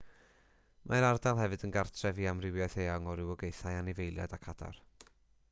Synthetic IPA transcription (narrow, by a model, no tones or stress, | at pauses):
mʔaɾardalˠɦɛvɨdənɡartʰrɛviːamrɪwjɛθeːɔŋɔɾɪwɔɡejθajanɪvejlˠja̰dakʰad̥a̰r